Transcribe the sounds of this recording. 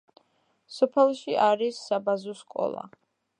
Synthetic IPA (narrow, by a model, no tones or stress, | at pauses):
sɔpʰɛlˠʃiaɾisːabazɔskʼɔ̰lˠa̰